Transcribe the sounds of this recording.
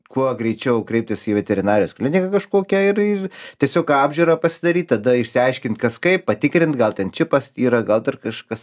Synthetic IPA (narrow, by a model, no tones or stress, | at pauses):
kuɔɡɾʲɛɪt͡ʃʲɛʊkɾʲɛɪp̚t̪ʲɪsiːʋʲɛt̪ʲɛɾʲɪnɑːɾʲɪjoːsklʲɪnʲɪkɐkɐʃkoːkʲɛɪrɪrt̪ʲiɛsʲoːkɑːbʲʒʲuːɾɐːpɐsʲɪd̪ɐɾʲiːt̪̚ʲt̪ɐd̪ɐɪʃʲsʲɪɐɪʃʲkʲɪnt̪kɐskɐɪppɐt̪ʲɪkɾʲɪnt̪ɡɐlˠt̪ʲɛnt͡ʃʲɪpɐsiːɾɐɡɐlˠd̪ɐrkɐʃkɐs